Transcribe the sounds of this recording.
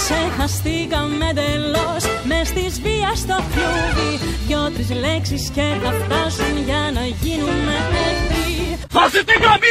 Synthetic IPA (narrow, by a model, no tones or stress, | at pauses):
ksexɐst̪ikɐmːed̪elosmest̪izviɐst̪ofoðijot̪ɾizleksisceθɐft̪ɐsunʝɐnɐʝinumːeʔet̪i | fɐzit̪iɣɐmi